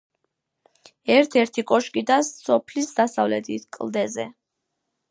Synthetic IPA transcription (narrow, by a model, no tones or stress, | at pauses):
ɛɾt̪ʰɛɾt̪ʰikʼɔʃkʼid̪asːɔpʰlisd̪asavlɛt̪ʰit̪ʰkʼlˠd̪ɛzɛ